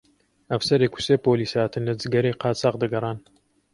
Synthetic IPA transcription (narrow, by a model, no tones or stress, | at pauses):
ɐfsɐɾeːku̥seːpoːliːshaːt̪ɨnlɐd͡zɨɡɐɾeːqɑːt͡sɑːqd̪ɨɡɐrˤɑːn